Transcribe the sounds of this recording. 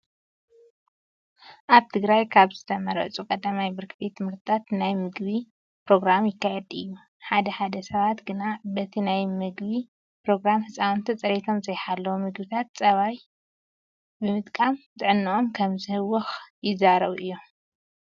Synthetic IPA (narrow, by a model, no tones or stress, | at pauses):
ʔaβt̪ʰɨɡɾajkʰaβzɨt̪ʰɐmɐɾɐ̰t͡sʼukʼɐd̪amajbɨɾkʰbet̪ʰːɨmɨɾt̪ʰat̪najmɨɡbi | pɾo̞ɡɾamjɪkːajɛd̪ɨjːu | ħad̪ɐħad̪ɐsɐβat̪ɡɨnabɐt̪ʰinajmɨɡβi | pɾo̞ɡɾamhɨt͡sʼawnt̪ʰit͡sʼɐɾet̪ʰo̞mzɐjħalːɐwumɨɡbɨt̪ʰat̪̚t͡sʼɐβaj | bɨmɨt̪ʼkʼamt̪ʼɨʕɨnːɨʔo̞mkʰɐmzɨhɨwːɔxjɪzaɾɐβʔɨjːo